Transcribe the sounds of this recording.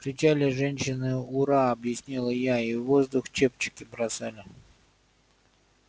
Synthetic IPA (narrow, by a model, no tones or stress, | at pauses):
kɾʲɪt͡ɕalʲɪʐɛnʲɕɪnɨʊɾaɐbjɪsʲnʲilˠəjaivo̞zd̪ʊxt͡ɕep̚t͡ɕɪ̥kʲɪbɾɐsalʲɪ